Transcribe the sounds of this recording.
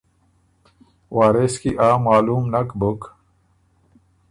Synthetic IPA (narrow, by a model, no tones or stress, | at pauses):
waːɾeskiʔaːmaːluːmnɐkbuk